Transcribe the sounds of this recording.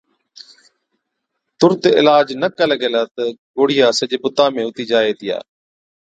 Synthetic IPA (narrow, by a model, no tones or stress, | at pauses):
t̪ʊɾt̪ɪlaːd͡ʒnəkələɡeːlaːt̪əɡoːɽ̤ɪijaːsəʄeːpʊt̪aːmẽːʊt̪iːd͡ʒaːeːt̪ɪja̰ː